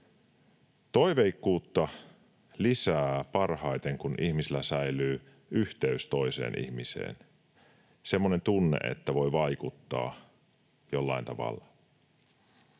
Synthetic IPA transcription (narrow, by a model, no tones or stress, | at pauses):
t̪o̞iʋeikːuːt̪ːɑ | lisæːpɑrhɑjt̪eŋkunʔiçmisilːæsæjlyː | yht̪eyst̪o̞ise̞̰ːnʔḭçmisḛːn | se̞mːone̞nt̪unːe̞̰ʔḛt̪ːæʋo̞jʋɑjkut̪ːɑ̰ː | jolːɑint̪ɑʋɑ̰lːɑ